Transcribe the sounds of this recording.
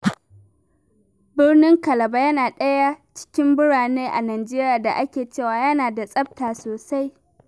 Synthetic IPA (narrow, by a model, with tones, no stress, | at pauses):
bɪ˦rnɪ˦ŋkɐ˨lɐ˨ba˦jɐ˦naː˨ɗɐ˦ja˦t͡ʃɪ̥˦kʲɪ˦mbʊ˦ɽaː˨neː˦ʔa˨naː˨d͡ʒeː˦ɾi˦jaː˨da̰˨ʔa˦kʲeː˨t͡ʃeː˦˨waː˨jɐ˦naː˨da˨sʼɐ˦b̚taː˨soː˨sa˦j